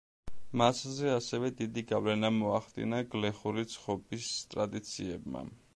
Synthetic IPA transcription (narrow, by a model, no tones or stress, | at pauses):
maszɛasɛvɛd̪id̪iɡavlɛnamɔaχd̪ḭnaɡlɛχuɾit̪sʰχɔbist̪ʼɾad̪it̪sʰiɛbma̰